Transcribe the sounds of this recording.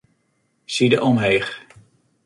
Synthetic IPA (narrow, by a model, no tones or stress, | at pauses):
sidəʔɔmɦejχ